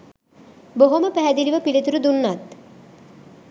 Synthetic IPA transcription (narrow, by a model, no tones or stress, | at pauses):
boɦoməpæɦɛd̪iliʋɐpilit̪uɾud̪unːat̪